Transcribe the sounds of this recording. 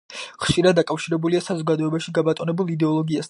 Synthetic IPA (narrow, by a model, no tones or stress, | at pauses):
χʃiɾad̪ːakʼafʃiɾɛbuliasazɔɡad̪ɔɛbaʃiɡabat̪ʼɔnɛbulˠid̪ɛɔlˠɔɡias